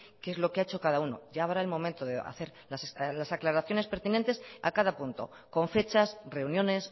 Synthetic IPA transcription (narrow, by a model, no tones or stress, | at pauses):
keezlo̞keaet͡ʃo̞kað̞auno̰ʝaːβɾaelmo̞mẽnt̪oðea̰θe̞ɾlaslasaklaɾaθjo̞ne̞spe̞ɾt̪inẽnt̪e̞sa̰kaðapunt̪o̞̰ | ko̞ɱfe̞t͡ʃasre̞unjõ̞ne̞s